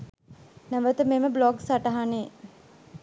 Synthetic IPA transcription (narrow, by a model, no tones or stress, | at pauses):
næʋət̪əmeməblɔɡsaʈaɦane